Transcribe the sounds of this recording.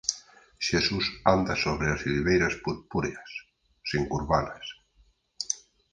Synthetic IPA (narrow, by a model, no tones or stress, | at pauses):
ʃesusand̪asoβɾeazliβejɾasput̪̚puɾeasː | eŋkuɾβanas